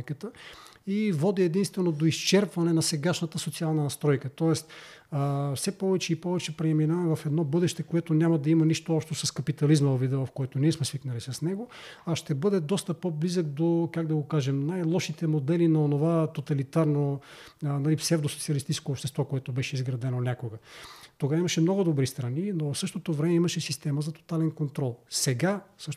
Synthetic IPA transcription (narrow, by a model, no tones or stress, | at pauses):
kət̪əivɔd̪iɛd̪inst̪vɛnod̪oist͡ʃɛɾpvɐnɛnɐsɛɡaʃnɐt̪əsot̪sialˠnɐnɐst̪ɾɔjkət̪ɔɛst̪ː | fsɛpɔvɛt͡ʃɛipɔvɛt͡ʃɛpɾɛminavɐɛvɐfɛd̪nɔbɤd̪ɛʃt̪ɛkoɛt̪onʲamɐd̪ɐimɐniʃt̪oɔpʃt̪osɐskɐpit̪ɐlizmɐvvid̪ɛvɐfkoɛt̪oniɛsmɛsviknəlisɐsnɛɡoɐʃt̪ɛbɤd̪ɛd̪ɔst̪əpoblizək̚d̪okaɡd̪ɐɡokaʒɛmnajlˠɔʃit̪ɛmod̪ɛlinɐonovat̪ot̪ɐlit̪aɾno | nɐlipsɛvd̪osot̪siɐlist̪it͡ʃɛskoːpʃt̪ɛst̪vɔkoɛt̪obɛʃɛizɡɾɐd̪ɛnonʲakoɡət̪oɡavimɐʃɛmnɔɡʊd̪obɾist̪ɾɐninovɐfsɤʃt̪ot̪ovɾɛmɛimɐʃɛsist̪ɛməzɐt̪o̥t̪alɛnkont̪ɾɔlˠsɛɡasɤʃt̪